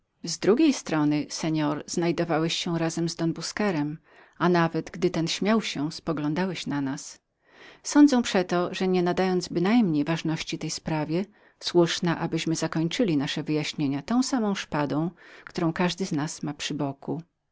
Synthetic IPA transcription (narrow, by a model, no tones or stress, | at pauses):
zd̪ɾuɡʲejst̪ɾɔnɘsɛɲɔɾz̥najd̪ɔvawɛɕːɛɾazɛmzd̪ɔnbuskɛɾɛm | anavɛd̪ɡd̪ɘt̪ɛnɕmʲjawɕɛspɔɡlɔ̃nd̪awɛɕnanas | sɔnd̪zɛ̃w̃pʂɛt̪ɔʐɛɲɛnad̪ajɔnd̪zbɘnajmɲejvaʐnɔɕt͡ɕit̪ɛjspɾavʲjɛ | swuʂnaʔabɘɕmɘzakɔɲt͡ʂɘlʲinaʂɛvɘjaɕɲeɲat̪ɔ̃w̃samɔ̃w̃ʂpad̪ɔ̃w̃kt̪uɾɔ̃w̃kaʐd̪ɘznasmapʂɘbɔku